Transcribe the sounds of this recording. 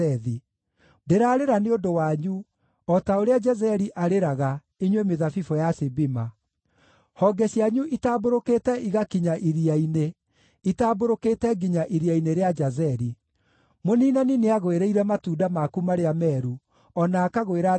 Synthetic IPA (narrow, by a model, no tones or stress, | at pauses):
ɛði | deɾaːɾeɾaneondowaːɲu | ɔtaoɾead͡ʒazɛɾiʔaɾeɾaɣa | iɲwemeðafifɔjasebima | hɔɡɛɕiaɲuʔitaːboɾokeːtɛʔiɣakiɲaʔiɾiaine | itaːboɾoketɛɡiɲaʔiɾiaineɾead͡ʒazɛɾi | moninanineaɣoeɾeiɾɛmatuːdamakumaɾeamɛɾu | ɔnaːkaɣoeɾa